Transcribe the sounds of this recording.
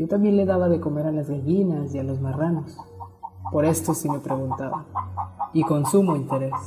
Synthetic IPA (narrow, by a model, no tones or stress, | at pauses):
o̞t̪ambje̞nle̞ðaβaðe̞ko̞me̞ɾalazɣaʝinasialo̞zmaranos | po̞ɾe̞st̪o̞sime̞pɾe̞ɣunt̪a̰βa | iko̞nsumoint̪e̞ɾe̞s